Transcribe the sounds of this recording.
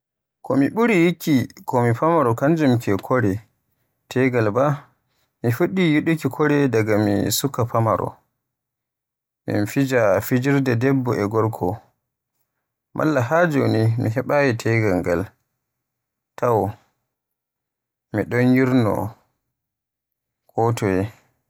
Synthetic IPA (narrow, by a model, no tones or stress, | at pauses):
kɔmiɓuɾijikʰːikɔmipamaɾɔkand͡ʒumkɛkʰɔɾɛ | tʰɛɡalba | mifuɗijuɗukikʰɔɾɛdaɡamḭsukːapamaɾɔ̰ | mḭnfid͡ʒafid͡ʒiɾdadɛbːɔɛɡɔɾkʰɔ | mʔa̰lːaɦad͡ʒownimḭɦɛɓajɛtʰɛɡalɡa̰l | tawɔ | miɗɔnjiɾnɔ̰ | kʰɔtʰɔjɛ